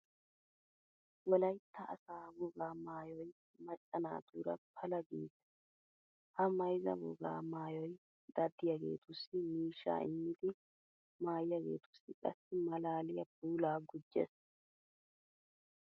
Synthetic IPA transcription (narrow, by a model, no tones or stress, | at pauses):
wɔlɐjt̪ʰːɐʔːsaːbʊɡaːmaːjɔj | mɐt͡ʃʼːɐna̰ːt̪uːɾɐpʰɐlɐɡiːs | hɐmɐjzɐ̰bʊɡa̰ːmaːjɔj | d̪̥ɐd̪ːɪjɐɡe̞̰ːt̪ʰʊsːɪmiːʃːa̰ːɪ̰mːɪd̪ɪ | maːjjɐɡe̞̰ːt̪ʊ̥sːɪkʼɐ̰sːɪmɐlaːlɪjɐb̚uːlaːɡʊd͡ʒːɛ̰s